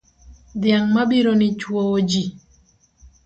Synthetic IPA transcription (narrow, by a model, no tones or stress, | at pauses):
dɪjaŋmabiɾonɪt͡ʃwowod͡ʒi